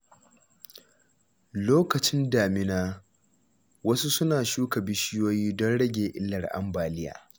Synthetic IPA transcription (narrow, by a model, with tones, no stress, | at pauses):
loː˦kɐ˨t͡ʃɪ˦ndaː˨mɪ˦naː˦ | wɐ˦su˦sʊ˦naː˨ʃuː˦kɐ˨bɪ˦ʃɪ˦joː˦jiː˦dɔ˦nɽɐ˦ɡʲeː˨ʔɪ˦lːɐ˨rʔa̰˨mbaː˨lɪ˦ja̰ː˨